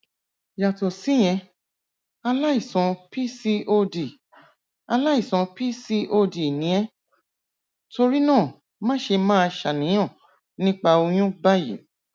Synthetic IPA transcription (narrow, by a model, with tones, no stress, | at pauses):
ja˨to˨si˨˦˨j̃ɛ̃˧ | a˧la˦i˦˨sɔ̃˨˧pi˦si˧ʔo˧di˨ | a˧la˦i˦˨sɔ̃˧pi˦si˦ʔo˧di˨nĩ˨˦ɛ̃˦ | to˧ɾi˦nãː˦˨ | mãː˦ʃe˧mãː˦˧ʃa˨nĩ˨˦j̃ɔ̃˦˨ | nĩ˦k͡pa˧o˧j̃ũ˦ba˦jḭ˨˦